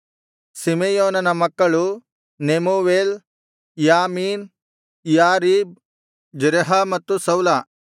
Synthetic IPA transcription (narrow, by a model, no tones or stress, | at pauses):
simejoːnɐnɐmɐkːɐɭu | nemoːʋeːl | jaːmiːn | jaːɾiːb̚ | d͡ʒɾeɦamɐt̪ːusɐwla